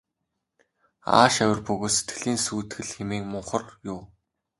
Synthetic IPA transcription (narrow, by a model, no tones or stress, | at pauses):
a̰ːʃæwʲɪ̆rpɵɣoːt̪se̥t̪ɡɘ̆ɮiːnsuːt̪ɡɘ̆ɮxemeːkmʊɴχə̆rjʊw